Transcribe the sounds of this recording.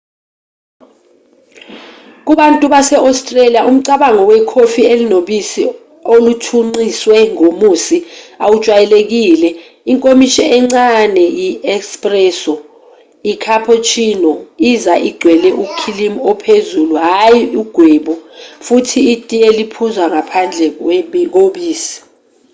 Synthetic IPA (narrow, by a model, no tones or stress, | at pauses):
k̬uɓantʼuɓasɛʔawstʼrelijaʔum̩ǀaɓaŋɔwɛkʰofielinoɓisi | olutʰuŋ͡ǀiswɛŋomusiawut͡ʃʼwajɛlek̬iːlɛ | iŋkʼomiʃɛɛŋ͡ǀanɛjiɛkspʼrɛːsɔ | ikʰapʰɔt͡ʃʰinɔizaʔiɡ͡ǀʱwɛlɛʔukʰilimɔpʰezuluɦajiuɡ̥ʱwɛːɓɔfutʰiːtʼielipʰuzwaŋapʰand͡ɮʱɛwɛɓk̬oɓiːsi̥